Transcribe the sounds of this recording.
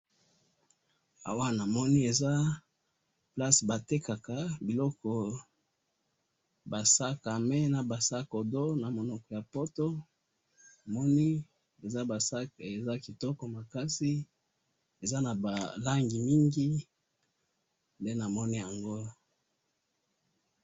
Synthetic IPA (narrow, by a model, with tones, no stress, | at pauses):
a̰˨wa˦na˨mɔ˦ni˦e˨za˦ | pla˦sba˨te˦ka˨ka˨bi˨lɔ˦kɔ˨ | ba˨sa˦ka˨mɛ˦na˨ba˨sa˦ko˨do˦na˨mo˨nɔ˨kɔ˨ja˨po˦to˦ | a˨mɔ˦ni˦ | e˨za˦ba˨sa˦ke˨za˦ki˨tɔ˦kɔ˨ma˨ka˦si˦ | e˨za˦na˨ba˨la˦ŋɡi˨mi˦ŋɡi˦ | nde˦na˨mɔ˦ni˦ja˨ŋɡo˦